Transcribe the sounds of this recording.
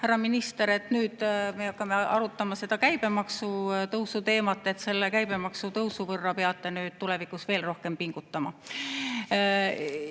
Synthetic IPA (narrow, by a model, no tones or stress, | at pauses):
hæɾɑminist̪e̞ɾe̞t̪nyːd̪̥meɑkːɑme̞ɑɾut̪ːˑɑmɑse̞d̪̥ɑkæjb̥e̞mɑksut̪ɤwsut̪e̞ːmɑt̪ːˑe̞t̪se̞lːekæjb̥e̞mɑksut̪ɤwsuvɤrːɑpeɑt̪ːˑenyːd̪̥̚t̪ule̞vikusve̞ːlro̞hke̞mpiŋɡ̥ut̪ːɑmɑ